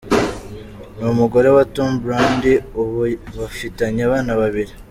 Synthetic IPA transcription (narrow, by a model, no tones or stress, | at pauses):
numuɡo̞ɾewatumbɾaːndiuββafitaɲaβaːnaβaβiɾi